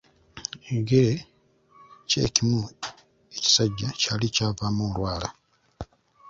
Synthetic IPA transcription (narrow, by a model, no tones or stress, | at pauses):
eɡeɾe | cḛːcimu | eci̥saɟːacaːlicaːvaːmolwaːla̰